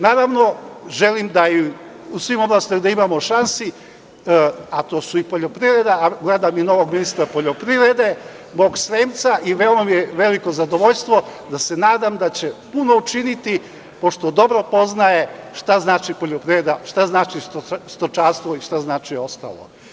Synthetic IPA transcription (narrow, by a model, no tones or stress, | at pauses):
naːɾaʋno̞ʒe̞limd̪ai | usʋimo̞blˠaːst̪imaɡd̪aimamo̞ʃansi | at̪oːsuipoʎo̞pɾiɾed̪aaɡled̪amino̞ʋoɡminist̪ɾapoʎopɾivɾe̞d̪e̞ | moːɡsɾeːmt̪saʔiʋeomamijeʋe̞likozad̪o̞ʋo̞ʎst̪ʋo̞d̪ase̞naːd̪amd̪at͡ɕe̞puno̞ut͡ʃinit̪i | po̞ʃt̪od̪o̞bɾo̞po̞znaje̞ʃt̪aznaːt͡ʃipo̞ʎopɾiʋɾed̪aʃt̪aznaːt͡ʃist̪ost̪ot͡ʃast̪ʋoiʃt̪aznaːt͡ʃio̞st̪a̰lo̰